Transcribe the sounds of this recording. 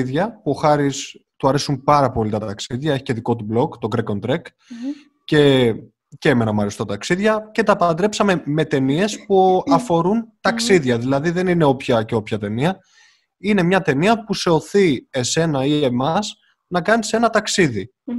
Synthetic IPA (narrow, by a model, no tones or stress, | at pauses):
iðʝɐpuo̞xɐɾist̪uɐɾe̞sumpɐɾɐpo̞lit̪ɐt̪ɐksiðʝɐe̞çi̥ce̞ðiko̞t̪ublo̞kt̪o̞ɡɾeko̞nt̪ɾek | ce̞ | ceemenɐmɐɾesu̥t̪ɐt̪ɐksiðʝɐce̞t̪ɐpɐɐd̪ɾe̞psɐme̞me̞t̪e̞nie̞spuɐfo̞ɾunt̪ɐksiðʝɐðilɐðiðe̞nine̞o̞pçɐce̞o̞pçɐt̪e̞niɐ | ine̞mɲɐt̪e̞niɐpuse̞o̞θie̞se̞nɐie̞mɐs | nɐkɐnise̞nɐt̪ɐksiði